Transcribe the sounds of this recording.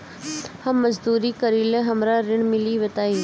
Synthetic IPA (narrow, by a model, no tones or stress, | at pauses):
hɐmːəzd̪uːɾiːkəɾiːlẽɦɐmɾaɾɪɽ̃mɪliʋət̪aːi